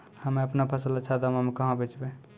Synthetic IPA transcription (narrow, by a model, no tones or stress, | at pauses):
həmeəpnapʰəsələt͡ʃʰad̪əməmekəɦə̃bet͡ʃbe